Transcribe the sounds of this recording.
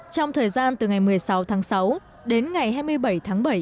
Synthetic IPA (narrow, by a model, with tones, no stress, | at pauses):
t͡ɕɔ˧wŋ͡mt̪ʰəː˨˩jzaː˧nt̪ɨ˨˩ŋa˨˩jmɨ˨˩əjsa˨˦wt̪ʰaː˨˦ŋsa˨˦w | ɗe˨˦nŋa˨˩jɦaː˧jmɨ˧əjɓə˧˩jt̪ʰaː˨˦ŋɓə˧˩j